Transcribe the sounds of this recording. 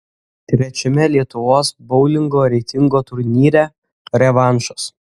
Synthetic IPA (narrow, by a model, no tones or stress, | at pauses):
t̪ʲɾʲɛt͡ʃʲɛmʲɛlʲiɛt̪ʊʋoːsbɔʊlʲɪŋɡoːɾʲɛɪt̪ʲɪŋɡoːt̪ʊɾʲnʲiːɾʲɛ | ɾʲɛʋɑˑnʃʊ̥s